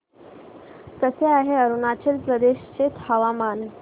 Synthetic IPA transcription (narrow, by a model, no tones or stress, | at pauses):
k̪əseaɦeəɾunat͡ɕelpɾəd̪eɕt͡set̪həʋaman